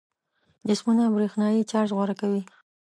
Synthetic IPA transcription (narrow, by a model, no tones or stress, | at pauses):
d͡ʒɪsmunabɾexnɑjit͡ʃɑɾʃɣwaɾakawi